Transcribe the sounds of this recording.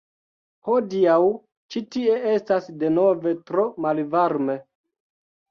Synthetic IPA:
ho̞diaw | t͡ʃitie̞e̞stasde̞no̞ve̞tɾo̞malvaɾme̞

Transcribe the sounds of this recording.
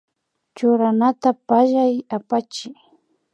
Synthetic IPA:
t͡ʃʊɾanat̪apaʒajapat͡ʃɪ

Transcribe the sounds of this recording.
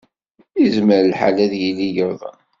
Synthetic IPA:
əzməɾlħa̰læðjilːijəɾðˤə̰n

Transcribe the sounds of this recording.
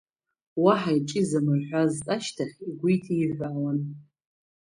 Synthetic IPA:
waħaiʈ͡ʂʼɪzamɨrħʷᶣazt͡sʼaʃtʰaχʲiɡʷujtʰiːʕʷawan

